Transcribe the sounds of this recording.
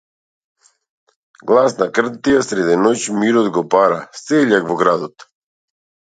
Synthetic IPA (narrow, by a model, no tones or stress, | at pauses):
ɡlˠasnakr̩t̪ijasɾɛd̪ɛnot͡ɕmiɾod̪ɡɔpaɾaseʎakvoɡɾad̪ot̪